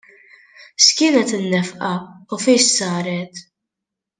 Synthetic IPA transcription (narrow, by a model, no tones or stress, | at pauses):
ʃkɪːnɛt̪ɪnːɛfʔɐufiːʃsɐːɾɛt̪